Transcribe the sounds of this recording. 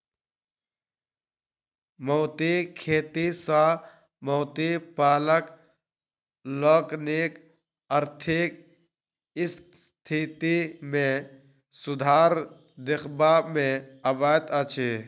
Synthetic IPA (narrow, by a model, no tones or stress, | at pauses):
moːt̪ikʰeːt̪isaː | moːt̪ipaːlək | loːknik | əɾt̪ʰɪk | ɪs | t̪ʰit̪imẽ | sʊd̪ʱaːɾ | d̪ɪxbaːmẽɐbaːt̪at͡ʃʰe